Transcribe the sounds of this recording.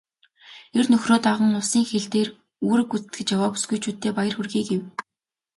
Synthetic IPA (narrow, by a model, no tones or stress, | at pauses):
ernɵxroːt̪aʁə̆ŋʊsiːŋxeɮt̪eːr | uːɾɘ̆kut͡st̪ɡɘ̆t͡ɕjawaːpu̥sɡujt͡ɕʰuːt̪ːeːpajə̆rxurɣiːkew